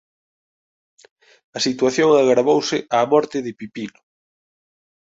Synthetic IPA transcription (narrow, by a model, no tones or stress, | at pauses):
ɐsit̪waθjoŋaɣɾaβowsɪʔaːmɔɾt̪ɪðɪpipilʊ